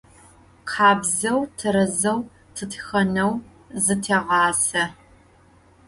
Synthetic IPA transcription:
qʰɑːbzɐwtʰɨɾɐzɐw | tʰɨtʰxɐnɐw | zɨtʰeːʁɑːsɐ

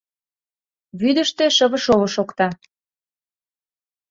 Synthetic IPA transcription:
βyd̪ə̆ʃt̪ĕʃəβə̆ʃoβŏʃokt̪ɑ

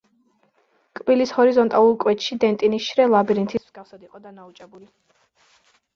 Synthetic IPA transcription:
kʼbilishɔɾizɔnt̪ʼalˠuɾkʼwɛt͡ʃ̪ʃid̪ɛnt̪ʼinisʃɾɛlˠabiɾint̪ʰismz̥ɡafsad̪iqʼɔd̪anaut͡ʃʼɛbuli

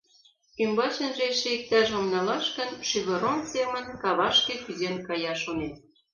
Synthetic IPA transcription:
kymbɑt͡ɕə̆nʒeʃĕik̚t̪æʒomnɑlɑʃkə̆nʃyɣə̆ɾonsemə̆nkɑβɑʃkĕkyzenkɑjɑʃonet̪̚

